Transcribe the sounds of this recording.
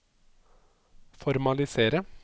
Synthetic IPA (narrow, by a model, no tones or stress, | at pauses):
fɔɾmɑlɪseːɾə